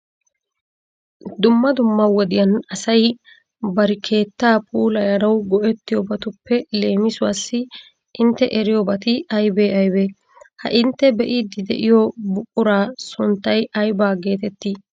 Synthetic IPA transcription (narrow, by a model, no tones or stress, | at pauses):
d̪ʊmːɐd̪ʊmːɐwɔd̪ɪjɐnɐsɐj | bɐɾɪkʰe̞ːt̪ːaːpʰuːlɐjɐɾɐwɡɔʔɛt̪ːɪjɔbɐt̪ʊpːɛle̞ːmɪsʊwasːɪ | ʔɪnt̪ːɛʔɛɾɪjɔbɐt̪ɪɐjbeːɐjbeː | hɐ̰ʔɪnt̪ːɛbɛʔɪd̪ɪd̪ɛ̰ʔɪjɔbʊkʼːʊɾaːsʊnt̪ːɐjɐjbaːɡe̞ːt̪ɛt̪ːiː